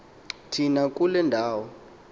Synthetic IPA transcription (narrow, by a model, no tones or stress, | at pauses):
tʰinak̬ʼulɛndʱaːwɔ